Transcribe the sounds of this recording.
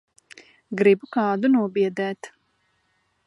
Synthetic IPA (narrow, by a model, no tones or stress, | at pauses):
ɡɾibukɑːd̪unuɔbiɛd̪ɛːt̪